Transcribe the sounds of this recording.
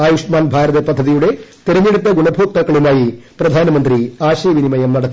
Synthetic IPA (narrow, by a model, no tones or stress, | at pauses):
aːjuʂɐmaːnbʱaːɾɐðɐpɐd̪ʱːɐðijuɽe̞t̪eɾɐɲeɽut̪ːɐɡuɳɐbʱuːt̪ːɐkːɐɭumaːjiprɐd̪ʱaːnɐmɐnd̪ɾiaːɕɐjɐʋinimɐjɐmnɐɽɐt̪ː